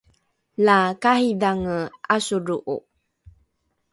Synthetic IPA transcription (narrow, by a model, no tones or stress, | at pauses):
lakahidaŋəasuɾuʔṵ